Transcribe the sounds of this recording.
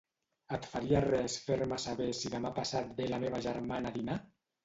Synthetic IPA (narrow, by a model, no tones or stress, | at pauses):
at̪faliarɛsfeɾmasaβesiðamapasat̪̚belameβ̞aʒaɾmanaðina